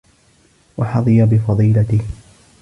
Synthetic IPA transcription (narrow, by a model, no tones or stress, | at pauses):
wɑħɑðˤɨjabɪfɑðˤiːlat̪ɪh